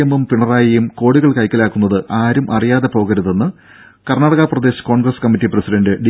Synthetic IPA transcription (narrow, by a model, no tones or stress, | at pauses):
emːumpiɳɐraːjɐjumko̞ːɽiɣɐɭkɐjkʲːɐlaːkːunːɐðɨʔaːɾumʔɐ̰rijaːðe̞po̞ːɣɐɾuðe̞nːɨ | kɐrnaːɽɐɣaprɐd̪e̞ːɕɐ̥ko̞ːɳɡrɐskɐmːitːiprɐsidɐndɨɖi